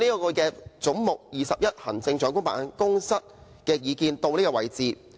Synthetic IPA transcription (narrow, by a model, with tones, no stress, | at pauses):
niː˥˧kɔː˧kɛː˧t͡sʊ˨˥ŋmʊ˨k̚jiː˨sɐ˨p̚jɐ˥t̚hɐ̰˨˩nt͡sɪ˧ŋt͡ʃœː˨˥ŋkʊ˥ŋpa̰ː˨˥nkʊ˥ŋsɐ˥t̚ | kɛː˧jiː˨˧kiː˧nt̪o˧wniː˥kɔː˧wɐ˨˩jt͡siː˨